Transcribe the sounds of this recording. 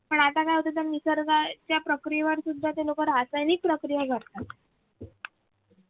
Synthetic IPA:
pəɳat̪akajɦot̪ət̪jamːisəɾɡat͡ɕjapɾəkɾijeʋəɾsud̪ʱːat̪elokəɾɦasajniːk̚pɾəkɾijaɡʱəɽt̪at̪

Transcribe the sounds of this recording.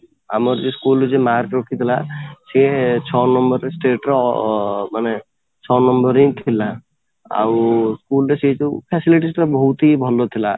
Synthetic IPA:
a̰mɔɾd͡ʒeskuld͡ʒemaɾkɾɔkʰit̪ʰilaset͡ʃʰɔnɔmbɔɾesʈeʈɾɔ | mane | t͡ʃʰɔnɔmbɔɾĩjt̪ʰila | a̰wskulɾeseɦt͡ʃupʰɛsiliʈisʈɔbɔɦut̪ibʱɔlot̪ʰila

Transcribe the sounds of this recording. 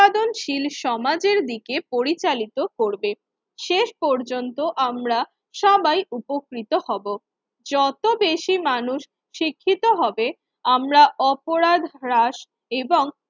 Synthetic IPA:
ad̪onʃilʃɔmad͡ʑeɾd̪ikepoɾit͡ɕalit̪okoɾbe | ʃeʃpɔɾd͡ʑont̪oʔamɾa | ʃabajupokɾit̪ohɔbo | d͡ʑɔt̪obeʃimanuʃ | ʃikʰːit̪oɦɔbe | amɾaɔpoɾad̪ʱɾaʃ | eboŋ

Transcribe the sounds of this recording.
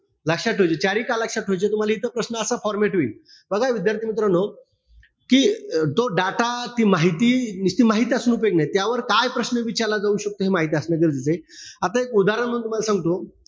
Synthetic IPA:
ləkʂaʈʰːod͡ʑet͡ɕaɾiːkaləkʂaʈʰːod͡ʑet̪um̤alait̪əpɾəsnəəsafɔɾmeʈɦi | bəɡajʋid̪jaɾt̪ʰiːmit̪ɾəno | kiːt̪oɖaʈat̪iːmaɦit̪iːnist̪iːmaɦit̪iasunupeknajt̪jaʋəɾkajpɾəsnəʋit͡ɕaɾlad͡zauɕək̚t̪oɦemaɦit̪iəsneɡəɾd͡zet͡seat̪aekud̪aɾənm̤ənt̪um̤alasãŋɡt̪o

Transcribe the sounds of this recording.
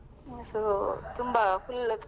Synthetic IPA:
sotumbakulːek

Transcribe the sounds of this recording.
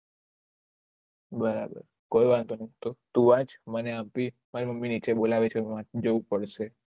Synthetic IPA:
bəɾa̰bə̰ɾ | kojʋãnt̪onəit̪ot̪ũʋãt͡ʃməneãpi | maɾiməmːinit͡ʃebolaʋet͡ʃʰeãd͡ʒəʋũpəɽʃe

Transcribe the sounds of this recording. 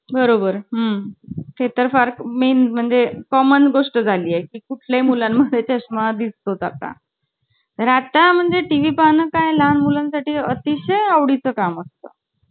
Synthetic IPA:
bəɾobəɾɦəmkʰet̪əɾfaɾkmenm̤əɳd͡zekɔmənɡoʂʈəd͡zʱaliːjekiːkuʈʰlamulamːəd̪ʱːjet͡ɕəɕmad̪ist̪od͡za̰t̪a̰ | t̪əɾat̪am̤əɳd͡zeʈiʋipanəkajlanmulansaʈiːət̪iɕəjaʋɽit͡səkaməst̪ə̰

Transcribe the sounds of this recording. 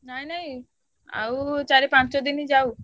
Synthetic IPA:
nainaĩ | a̰ut͡ʃaɾipãnt͡ʃod̪inid͡ʒau

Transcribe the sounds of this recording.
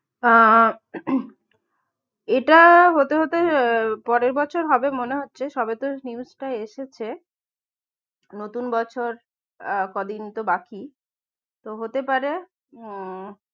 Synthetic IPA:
eʈaɦot̪eɦot̪epɔɾeɾbɔt͡ɕʰoɾɦɔbemoneɦotːɕʰeʃɔbet̪oniusʈaeʃet͡ɕʰe | not̪unbɔt͡ɕʰoɾ | kɔd̪init̪obaki | t̪oɦot̪epaɾe

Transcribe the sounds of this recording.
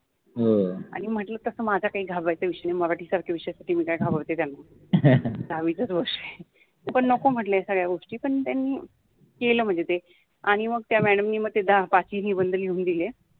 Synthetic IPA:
ɦoaɽ̃im̤əʈlət̪əsəːmad͡ʑʱjakaɦiːɡʱabajt͡səʋiʂjneməʋaʈʰiːsəɾkʰaʋiʂəjasaʈʰiːmiːkajɡʱabaʋt̪et̪janːa | d̪ʱaʋit͡sət͡sɡoʂe | pəɳnɔkom̤əʈləjasəɡɭjaɡoʂʈiːpəɳt̪janːiː | keləːm̤əɳnd͡zet̪e | aɽ̃iməɡ̚t̪jamæɽəmniːməɡ̚t̪ed̪apat͡ɕiːɦiːbənd̪əljeuːnd̪ile

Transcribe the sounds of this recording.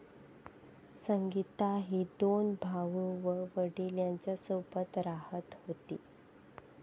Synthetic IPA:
səŋɡit̪aɦiːd̪onbʱaʋũʋəʋəɽiːljaɲt͡ɕjasopət̪ɾahət̪hot̪ḭː

